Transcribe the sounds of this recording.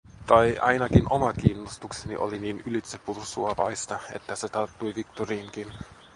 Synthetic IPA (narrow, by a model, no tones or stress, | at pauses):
t̪ɑjʔɑ̰jnɑkinʔomɑkiːnːost̪uksenḭʔo̞̰liniːnylit̪sepursuɑʋɑ̰jst̪ɑe̞̰t̪ːæset̪ɑrt̪ːujʋikt̪oriːŋkin